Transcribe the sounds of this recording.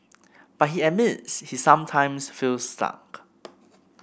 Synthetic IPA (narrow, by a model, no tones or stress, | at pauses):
b̥at̚hiɛmɪtshisãmtʰãɪ̃msfilsta̰k